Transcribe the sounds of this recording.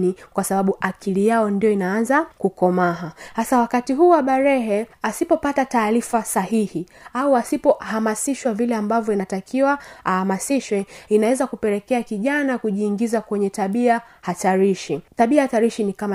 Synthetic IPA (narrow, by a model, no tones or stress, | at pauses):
nikwasaɓaɓuʔakilijaɔndijɔinaanzakukɔmaɦahasawakatiɦuːwaɓaɾɛɦɛasipɔpatataːɾifasahihiauasipɔhamasiʃwavilɛambavjɔinatakʰiwaahamasiʃwɛinawɛzakupɛɾɛkɛakiʄanakuʄiːŋɡizakwɛɲɛtaɓia | hataɾiʃitaɓiahataɾiʃinikama